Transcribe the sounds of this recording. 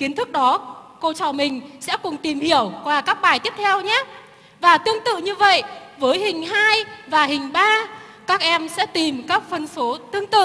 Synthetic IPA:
ki˨˦ənt̪ʰɨ˦˥k̚ɗɔ˨˦ko˧t͡ɕɔ˧˩mï˨˩ŋ̟sɛ̰˧˥kʊ˨˩ŋ͡mt̪i˨˩mhi˧˩əwkwaː˨˩kaː˦˥k̚ɓaː˨˩jt̪i˦˥əp̚t̪ʰɛ˧wɲaː˨˦˥ | vaː˨˩t̪ɨ˧əŋt̪ɨ̰˧˨ɲɨ˧və̰˧˨jvəː˨˦jhï˨˩ŋ̟ɦaː˧jvaː˨˩hï˨˩ŋ̟ɓaː˧ | kaː˦˥k̚ʔɛ˧msɛ̰˧˥t̪i˨˩mkaː˦˥k̚fə˧nfo˨˦t̪ɨ˧əŋt̪ɨ̰˧˨

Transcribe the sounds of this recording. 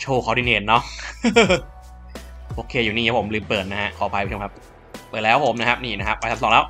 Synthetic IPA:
t͡ɕʰoː˧˩kʰa˦˥wdiː˧˩neː˧˩nːɔ˦˥ | ʔoː˧kʰeː˧juː˨˩niː˧˩a˦˥pʰmlɯː˧mpɯː˨˩t̪̚na˦˥ha˦˥ʔkʰɔː˨˦pʰa˧jʰo˧kʰa˦˥p̚ | pɯː˨˩t̪̚lɛː˦˥wpʰo˩˦mna˦˥kʰa˦˥p̚niː˧˩na˦˥kʰa˦˥p̚ːa˧t̪ʰa˦˥sɔː˨˦ŋlɛ˦˥˩w

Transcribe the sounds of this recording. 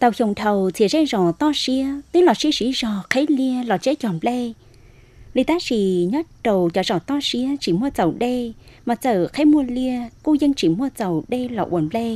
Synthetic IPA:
t̪ə˨˩wxə˨˩wŋ͡mt̪ʰə˨˩wt̪ʰi˨əzɛ˧zɔ˨˩t̪ɔ˧si˧˥ət̪i˨˦lɔ˨˩si˧əsi˧˥˦zɔ˨˩xe˨˦li˧əlɔ˨˩t͡ɕe˨˦˥t͡ɕɔ˨˩nplɛ˧ | lḭ˨˩t̪aː˨˦si˧˨˦ɲə˦˥t̚ɗə˨˩wt͡ɕɔ˨˩zɔ˧˩t̪ɔ˧si˧˥ət͡ɕi˧˩mu˧ət̪ə˨˩wɗe˧ma˨˩təː˨˩xe˨˦mu˧əli˧əku˧zə˧ŋt͡ɕi˧˩mu˧ət̪ə˨˩wɗe˧lɔ̰˧˩ʔṵ˧˩ənple˧

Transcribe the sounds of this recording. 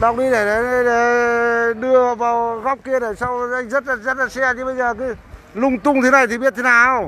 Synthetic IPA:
ɗa˨˩wk͡p̚ɗi˧ɗe˧˩ɗa˨˩˧ɗe˧˩ | ɗɨ˧ə˨vaː˨˩wɣɔ˦˥k͡p̚ki˧əɗe˧˩sa˧wʔa˧jŋ̟zə˦˥t̚laː˨˩zə˦˥t̚laː˨˩sɛ˧t͡ɕɨ˧˦ɓə˧jzəː˨˩kɨ˨˦lʊ˧ŋ͡mt̪ʊ˧ŋ͡mt̪ʰe˨˦na˨˩jt̪ʰi˨˩ɓi˦˥t̚t̪ʰe˨˦naː˨˩˨w

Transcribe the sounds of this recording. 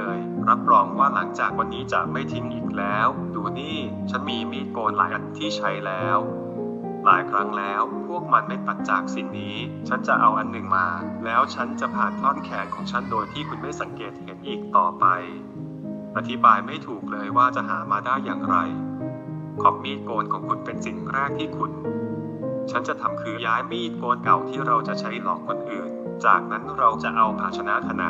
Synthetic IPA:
ɤː˧jɾa˦˥p̚ɾɔː˧ŋwaː˥˩la˩˦ŋt͡ɕaː˨˩k̚wa˧nːiː˦˥t͡ɕa̰˨˩ʔma˥˩jt̪ʰi˦˥ŋʔiː˨˩k̚lɛː˦˥w | duː˧niː˥˩ | t͡ɕʰa˦˥nmiː˧miː˥˩t̪̚koː˧nlaː˩˦jʔa˧nt̪ʰiː˥˩t͡ɕʰa˦˥jlɛː˦˥w | laː˩˦jkʰɾa˦˥ŋlɛː˦˥wpʰu˥˩ək̚ma˧nma˥˩jt̪a˨˩t̪̚t͡ɕaː˨˩k̚si˨˧˩nːiː˦˥ | t͡ɕʰa˦˥nt͡ɕa˨˩ʔa˧wʔa˧nːɯ˨˩ŋmaː˧lɛː˦˥wt͡ɕʰa˦˥nt͡ɕa˨˩pʰaː˨˩nt̪ʰɔː˥˩nkʰɛː˨˩˦nkʰɔː˩˦ŋt͡ɕʰa˦˥˩ndoː˧jt̪ʰiː˥˩kʰu˧nma˥˩jsa˩˦ŋkeː˨˩t̪̚he˩˦nʔiː˨˩k̚t̪ɔː˨˩pa˧j | ʔa˧t̪ʰi˦˥baː˧jma˥˩jt̪ʰuː˨˩k̚lɤː˧jwaː˥˩t͡ɕa˨˩ɦa̰ː˩˦maː˧daː˥˩jːaː˨˩ŋɾa̰˧j | kʰɔ˦˩m̚miː˦˥˩t̪̚koː˧nkʰɔː˩˦ŋkʰu˧npe˧nsi˨˩ŋɾɛː˥˩k̚t̪ʰiː˥˩kʰu˧n | t͡ɕʰa˦˥nt͡ɕa˨˩t̪ʰa˧mkʰɯː˦˥jaː˦˥jmiː˧˥i˨˩t̪̚koː˧nka˨˩wt̪ʰiː˥˩ɾa˧wt͡ɕa˨˩t͡ɕʰa˦˥jlɔː˨˦kʰːo˧nʔɯː˨˩n | t͡ɕa̰ː˨˩k̚na˦˥nɾa˧wt͡ɕa˨˩ʔa˧wpʰaː˧t͡ɕʰa˧na˦˥kʰa˧na̰˨˧˦

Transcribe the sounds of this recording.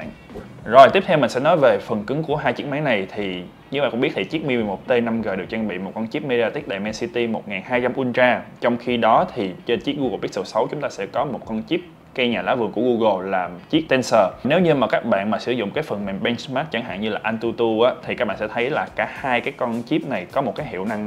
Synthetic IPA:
zo˨˩jt̪i˦˥ət̪ʰɛ˧wmï˨˩ŋ̟sɛ̰˧˥nɔ˨˦jve˨˩fə˨˩nkɨ˨˦ŋku˧˩əɦaː˧jt͡ɕi˦˥ək̚maː˨˦na˨˩jt̪ʰi˨˩ | ɲɨ˧ɓaː˧˨kʊ̰˧ŋ͡mɓi˦˥t̪̚ʰi˨˩t͡ɕi˦˥k̚mi˧˨˩mo˨˩t̚t̪e˧na˧mɣəː˨˩ɗɨ˨˩ək̚t͡ɕaː˧nɓḭ˧˨mo˨˩t̚kɔ˧nt͡ɕi˦˥p̚me˧i˧aː˧t̪ï˦˥k̚ɗa̰˧˨mɛ˧nsi˧t̪i˧mo˨˩t̚ŋaː˨˩nhaː˧jt͡ɕa˧mʔu˧ənt͡ɕaː˧t͡ɕɔ˧wŋ͡mxi˧ɗɔ˨˦t̪ʰi˨˩t͡ɕe˧nt͡ɕi˦˥k̚ɣu˧ɣə˨˩ɓi˦˥t̚ə˨˩sə˨˦wt͡ɕʊ˨˦ŋ͡mt̪aː˧sɛ̰˧˥kɔ˨˦mo˨˩t̚kɔ˧nt͡ɕi˦˥p̚ | kə˧jɲaː˨˩laː˨˦wvɨ˨˩ŋku˧˩əɣu˧ɣə˧˩laː˨˩mt͡ɕi˦˥k̚t̪e˧nsəː˧˩ne˨˦wɲɨ˧maː˨˩kaː˦˥k̚ɓa̰ː˧˨nmaː˨˩sɨ˧˩zʊ̰˧˨ŋ͡mkaː˨˦jfə˨˩nme˨˩nɓɛ˧nsmaː˦˥t̚t͡ɕa˧˩ŋɦa̰ː˧˨ɲɨ˧laː˨˩ʔa˧nt̪u˧t̪u˧ʔaː˨˦t̪ʰi˨˩ka˦˥ɓ̰aː˧˨sɛ̰˧˥˧t̪ʰə˨˦jlaː˨˩kaː˧˩haː˧jkaː˨˦jka˧nt͡ɕi˦˥p̚na˨˩jkɔ˨˦mo˨˩t̚kaː˨˦jɦḭ˧˨əwna˧ŋ

